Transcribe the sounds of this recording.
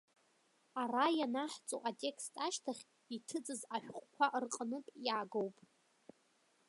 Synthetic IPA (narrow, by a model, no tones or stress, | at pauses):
arajanaħt͡sʼo̰ʔatʲʼe̞kstʰʼaʃtʰaχʲ | itʰɨd͡zʼɨzaʃᶣχʷʼkʷʰaʔɨrqʼənɨpʼjaɡowpʼ